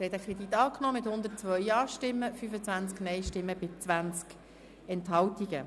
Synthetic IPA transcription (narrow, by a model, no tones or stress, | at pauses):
ɾhɛt̪əkʰɾed̥̪it̪ɑːknɔːmɪt̪hʊnd̪ət̚t͡sʋœʏɑːʃtɪmːəfyfət͡sʋænt͡sknɛɪʃtɪmːəbɪst͡svænt͡sk | ɛntɦɑltiɡə